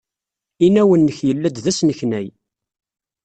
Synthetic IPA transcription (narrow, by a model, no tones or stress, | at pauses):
inæwənːəçjəlːæd̪ðæsnəçnæj